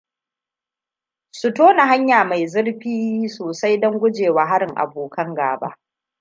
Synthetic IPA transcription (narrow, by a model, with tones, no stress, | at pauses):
sʊ˨toː˦na˨ɦa˦ɲjaː˨ma˨jzɪ˦ɽɸiː˦soː˨sa˦jdɐ˦ŋɡʷʊ˦d͡ʒeː˨waː˨ɦa˦ɾɪ˨ŋʔa̰˨boː˨kʰɐ˦ŋɡa̰ː˨ba̰˦ʔ